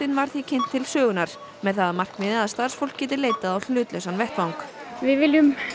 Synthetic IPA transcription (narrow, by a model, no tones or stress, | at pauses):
ɪnvaɾ̥θicʰɪn̥t̪ʰːɪlsœːɣʏnaɾ̥ | mɛðθaðamar̥kmɪðɪðast̪aɾ̥sfowl̥kcɛːt̪ɪleːjt̪aðawl̥ʏːt̪lœsanvɛht̪vawŋkvɪðvɪljʏm